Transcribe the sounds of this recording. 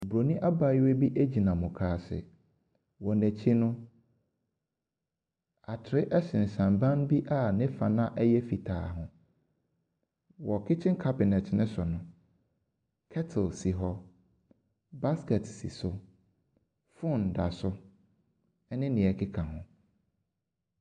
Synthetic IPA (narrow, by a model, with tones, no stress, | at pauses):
bɾo˨nĩ˦ʔa˦ba˨˦we˦bi˦ʔæ˦d͡ʑi˨nã˨mʊ̃˨kʰaː˨sɪ̰˨ | wɔ˨næ̃˨t͡ɕʰi˦nʊ̃˦ | a˨tʰɪ˨ɾɪ˦ʔɛ˦ɕɪ̃˨n̩˨sã˨mbã˦n˦bi˦ʔa˦˨nɪ̃˦fa˨nã˦ʔɛ˦jɛ˦fi˨tʰa̰ː˨ɦʊ̃˨ | wɔ˨kʰɪ˦t͡ɕʰɪ̃˦ŋ˦kʰa˦bɪ˨nɛ˨tʰnɪ̃˦sʊ˨nʊ̃˨ | kʰɛ˦tʰɪ˨lsi˨ɦɔ˦ | ba˦skɛ˨tsḭ˨sʊ˦ | fʊ̃˦˨n˨da˨sʊ˦ | ɛ˦nɪ̃˦nɪ̃˨ɛ˨kʰɪ˦kʰã˨ɦʊ̃˨